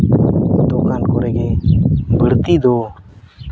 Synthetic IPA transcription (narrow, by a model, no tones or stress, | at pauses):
d̪ɔkankɔɾɛɡebʱəɽt̪id̪o